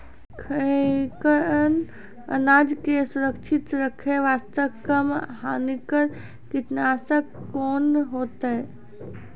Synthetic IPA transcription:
kʰəkəɾən | ə̰naːd͡ʒkesuɾəkt͡ʃʰɪt̪ɾəkʰeʋaːst̪əkːəmɦaːnikəɾ | kɪt̪naːsəkːoːnɦoːt̪əe

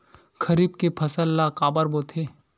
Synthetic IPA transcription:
kʰɐɾiːb̚kepʰɐsəlːakaːbəɾboːt̪ʰe

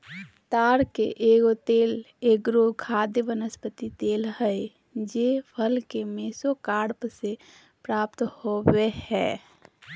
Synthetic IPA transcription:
t̪aːɾkḛʔeːɡot̪eːl | eːɡɾokʰaːd̪jəʋənəspət̪it̪eːlhəe | d͡ʒepʰəlkemeːsokaːɽpse | pɾaːp̚t̪howehɛ̰ː

